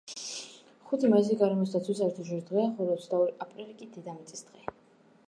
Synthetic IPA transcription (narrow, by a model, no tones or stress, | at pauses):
χut̪ʰimaziɡaɾɛmɔst̪ʰat̪sʰwus̬aɾt̪ʰuʒuɾd̪ʁɛaχɔɾiɔt̪sʰd̪aɔɾiapʼɾilikʼid̪id̪amɛt̪sʼisd̪̥ʁɛ